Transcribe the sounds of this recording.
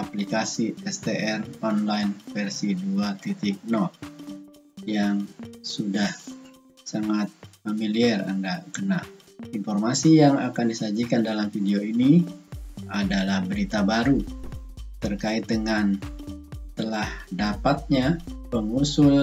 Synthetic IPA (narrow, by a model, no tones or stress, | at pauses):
aplikasiɛst̪eʔɛrɔnlainfɛrsiduat̪it̪ɪk̚nɔt̪̚ | jaŋsudah | saŋat̪̚familiɛra̰ndaʔkəna | infɔrmasijaŋa̰kandisad͡ʒikandalamfideoini | adalahbəɾit̪abaɾu | t̪ərkaɪt̪̚dəŋan | t̪əlahdapat̪̚ɲapəŋusʊl